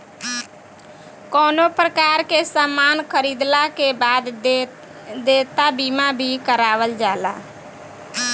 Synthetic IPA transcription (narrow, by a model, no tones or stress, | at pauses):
kɔːnopɾəkaɾkesamankʰəɾid̪lakebad̪ | d̪et̪abimabʱikəɾaʋəld͡ʒala̰